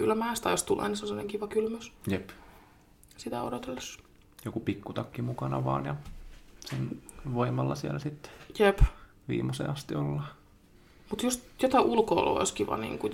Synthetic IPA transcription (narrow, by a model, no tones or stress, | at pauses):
kylːmæːst̪ɑjost̪ulʔḛːniselːɑneŋkiʋɑkylmøsjep | sit̪æ̰o̰dot̪elːes | jokupikːut̪ɑkːimukɑnɑ̰ʋɑ̰ːnjɑsenʋoimɑlːɑsiælæsit̪ːe̥jep | ʋḭːmɑsḛːɑst̪iolːɑ | mut̪just̪jot̪ɑʔulkoolo̰o̰iskiʋɑ̰nḭːŋku